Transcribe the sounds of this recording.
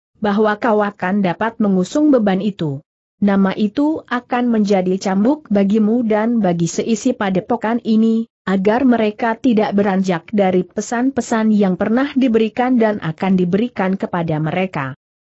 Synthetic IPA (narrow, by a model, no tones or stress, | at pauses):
baɦwakawakandapat̪̚məŋusʊŋbəbanit̪u | namaʔit̪uʔakanməɲd͡ʒadit͡ʃambʊk̚baɡimudanbaɡisəʔisipadəpokanini | aɡarməɾekat̪idaʔbəɾaɲd͡ʒak̚daɾipəsanpəsanjaŋpərnahdibəɾikandanʔa̰kandibəɾikankəpadaməɾeka̰